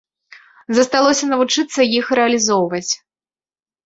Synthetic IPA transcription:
zɐst̪alˠɔsʲɐnɐvut͡ʂɨt̪sːɐjixɾɛɐlʲizɔwvɐt͡sʲ

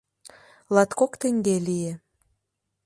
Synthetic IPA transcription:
lɑt̪kokt̪ĕŋɡelije

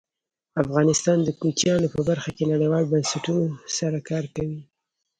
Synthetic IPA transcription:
afɣɑnɪst̪ɑnd̪əkut͡ʃjɑnopəbaɾxakenaɽəjwɑlbansaʈunosaɾakɑɾkawi

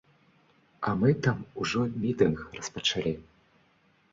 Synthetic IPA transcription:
ɐmɨt̪amuʐɔmʲit̪ɨnxrɐspɐt͡ʂalʲi

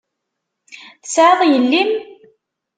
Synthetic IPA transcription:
θəsʕəðˤjəlːim

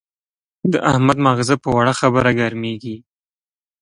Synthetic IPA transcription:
d̪əʔahmad̪mɑɣɪzapəwaɽaxabəɾaɡaɾmeɡi

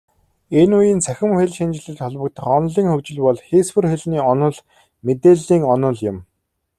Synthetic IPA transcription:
enujiːnt͡sʰæxʲɪ̆mxeɮʃint͡ɕɪ̆ɮɘ̆ɮt̪ʰɔɮpɞ̆k̚t̪ə̆χɔnɮiːŋxɵkt͡ɕɪ̆ɮpɔɮxespɘ̆rxeɮniːɔnɞ̆ɮ | met̪eːɮiːŋɔnɞ̆ɮjɪ̆m

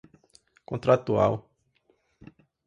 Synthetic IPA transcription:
kõnt̪ɾat̪ua̰w

